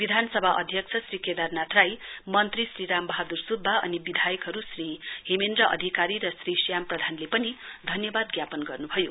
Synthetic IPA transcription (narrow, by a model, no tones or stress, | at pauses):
bid̪ʱansʌbʱaʔʌd̪ʱjʌksʰʌsriked̪arnat̪ʰrajmʌnt̪risriɾambʌɦad̪ursud̪ʱbaʌ̰nibid̪ʱajʌkɦʌɾusriɦemend̪rʌʔʌ̰d̪ʱikaɾiɾʌsrisijamprʌd̪ʱanlepʌnid̪ʱʌnjʌbad̪ɡjapʌnɡʌrnubʱʌjo